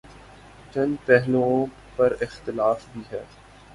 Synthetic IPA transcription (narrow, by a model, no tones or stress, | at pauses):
t͡ʃɐ̃npɛɦlõ | pɐɾɪxt̪ɪlaːfbʱiɦɛː